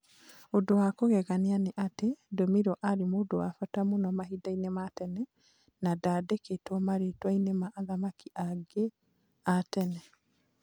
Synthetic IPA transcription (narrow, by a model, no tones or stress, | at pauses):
odowakoɣɛɣaneaneʔatedɔmiɾɔʔaɾemodowafatamonɔmaɦidainematɛnɛ | nadaːdeketɔmaɾetwainemaʔːðamakiʔaɡe | atɛnɛ